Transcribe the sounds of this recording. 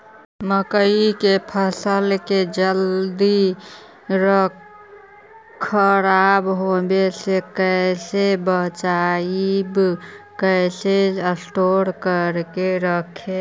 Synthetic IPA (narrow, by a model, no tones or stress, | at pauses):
məkəikepʰəsəlked͡ʒəld̪i | ɾə | kʰːəɾabɦobesekəsebət͡ʃaibkəjseəsʈoɾkəɾkeɾəkʰe